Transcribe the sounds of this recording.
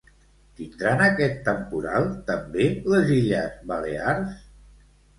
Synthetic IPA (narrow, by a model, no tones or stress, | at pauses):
t̪ind̪ɾanəkɛt̪ːəmpuɾa̰lˠt̪əmbeləziʎəzβəlḛars